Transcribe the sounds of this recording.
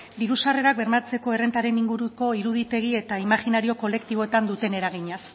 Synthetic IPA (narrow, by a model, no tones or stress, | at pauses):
b̪iɾusare̞ɾak̚be̞ɾmat͡se̞ko̞e̞re̞nt̪aɾe̞niŋɡuɾuko̞iɾuð̞it̪e̞ɣie̞t̪aimaxinaɾio̞ko̞le̞kt̪iβo̞et̪and̪ut̪e̞ne̞ɾaɣ̞iɲas